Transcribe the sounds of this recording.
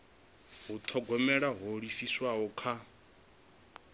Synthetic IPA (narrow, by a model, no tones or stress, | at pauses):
ɦut̪ʰɔɡɔmɛɺaɦoɺifiswaɦɔkʰa